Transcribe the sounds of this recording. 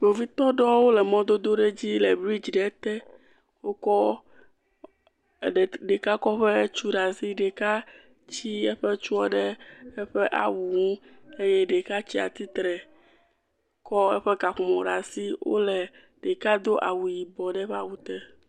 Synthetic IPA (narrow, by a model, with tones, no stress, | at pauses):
bo˨vi˦t̪ɔ˦ɖɔ˦wo˦lɛ˨mɔ̃˦d̪o˦d̪o˦ɖe˦d͡ʑi˦lɛ˨bɾi˦d͡ʒɖɛ˨˦t̪ɛ˦ | wo˦kɔ˦˨ | ɖɖe˨ka˦kɔ˦ɸe˦t͡ʃu˦ɖa˨si˦ɖe˨ka˦ | t͡ɕi˦ɛ˦ɸɛ˦t͡ʃu˦ɔ˦ɖɛ˦ɛ˦ɸɛ˦ʔa̰˨wu˨ŋũ˦e˦jɛ˦ɖe˨ka˦t͡ɕi˦a̰˨t̪i˦t̪ɾɛ˨ | kɔ˦ɛ̰˦ɸɛ˦ɡa˨xu˨mɔ̃˨ɖa˨si˦wo̰˦lɛ˨ | ɖe˨ka˦d̪o˦ʔa̰˨wu˨ji˨bɔ˨ɖɛ˦ɸa˦wu˦t̪ɛ˦